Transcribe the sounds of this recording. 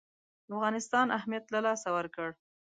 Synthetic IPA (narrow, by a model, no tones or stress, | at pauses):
afɣɑnɪst̪ɑnʔahmijat̪lalɑsawəɾkəɽ